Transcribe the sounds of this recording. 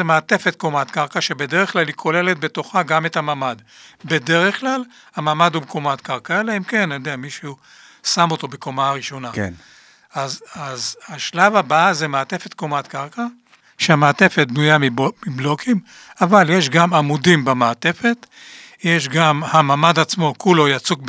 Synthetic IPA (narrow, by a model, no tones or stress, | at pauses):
emeat̪e̞fet̪ko̞mat̪kaʁkaʃebe̞deʁeχklalikʰo̞le̞le̞t̪̚be̞t̪o̞χaɡame̞t̪hamamad̪ | be̞de̞ʁeχklal | hamamad̪ubkʰomat̪kaʁkalaimke̞njod̪eamiʃu | samot̪o̞be̞ko̞maʁiʃo̞na | ʔazazhaʃlavabaazemaat̪e̞fe̞t̪komat̪kaʁka | ʃeamaːt̪e̞fet̪̚bnujamimiblo̞kʰim | avaljeʃ̬ɡamamudimbemaːt̪e̞fe̞t | jeʃ̬ɡamhamamad̪at͡smo̞kulo̞jat͡suk